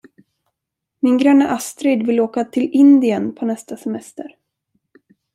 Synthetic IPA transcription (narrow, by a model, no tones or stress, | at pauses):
mɪnɡɾœnːaʔast̪ɾɪd̪vɪlːoːkat̪ʰɪlɪnd̪ɪənpʰɔnɛst̪asɛmɛst̪əɾ